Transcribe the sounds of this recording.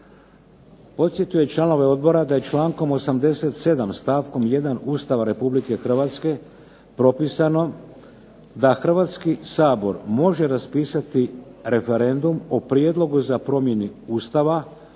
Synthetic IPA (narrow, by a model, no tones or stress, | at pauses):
po̞t̪sje̞t̪ujet͡ʃlˠano̞ʋe̞o̞d̪̚bo̞ɾad̪aje̞t͡ʃlaːŋko̞mo̞samd̪e̞set̪se̞d̪amst̪aːʋko̞mje̞d̪anuːst̪aʋaɾe̞publike̞xr̩ʋat̪ske̞ | pɾo̞piːsano̞ | d̪axr̩ʋaːt̪skisaːbo̞ɾmo̞ʒe̞ɾaspiːsat̪iɾe̞fe̞ɾe̞nd̪umopɾied̪lˠo̞ɡuzapɾo̞mje̞nuuːst̪aʋa